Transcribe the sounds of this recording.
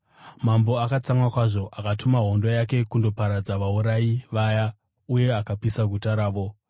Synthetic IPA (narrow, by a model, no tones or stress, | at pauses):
mambo̞akat͡saŋwakwaʐo̞ʔakatumaɦo̞ndo̞jake̞kundo̞paɾad͡zaʋauɾaiʋaja | uje̞akapisaɡʱutaɾaːʋo̞